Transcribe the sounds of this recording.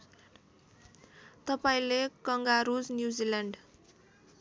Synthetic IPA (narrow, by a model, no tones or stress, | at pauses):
t̪ʌpaĩlekʌŋɡaɾud͡znjud͡zilaɳɖ